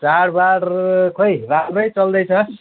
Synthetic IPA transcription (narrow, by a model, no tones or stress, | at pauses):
t͡saɽbaɽkʰojramɾʌjt͡sʌld̪ʌjt͡sʰʌ